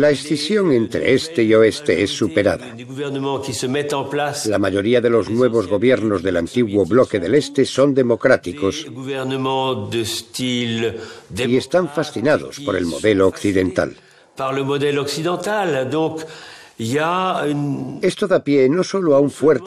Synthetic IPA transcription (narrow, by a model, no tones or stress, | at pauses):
laesθisjo̞ŋẽ̞nt̪ɾḛest̪eio̞e̞st̪eesːupe̞ɾa̰ða̰d̪eɡuvɛʁnəmɑ̃kʲisəmɛt̪ɑ̃plaslamaʝo̞ɾiaðe̞lo̞znwe̞β̞o̞zɣo̞βje̞ɾno̞zðe̞lant̪iɣwo̞βlo̞ke̞ðe̞le̞st̪e̞so̞nd̪e̞mo̞kɾat̪iko̞sɡuvɛʁnəmɑ̃d̪əst̪ild̪eie̞st̪aɱfasθinaðo̞̰spo̞ɾe̞̰lmo̞̰ðe̞loːkθiðe̞nt̪a̰l | paʁləmɔd̪ɛlɔksid̪ɑ̃t̪ald̪ɔ̃kilayne̞st̪oðapjeno̞so̞loauɱfweɾ